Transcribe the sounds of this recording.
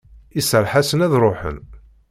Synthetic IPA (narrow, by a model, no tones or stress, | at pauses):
isəɾˤħasənæðɾˤoħə̰n